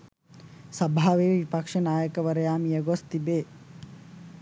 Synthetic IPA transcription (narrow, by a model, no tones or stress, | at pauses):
sɐbʱaːʋeːʋipɐkʂɐnaːjɐkɐʋɐɾɐjaːmijɐɡost̪ibeː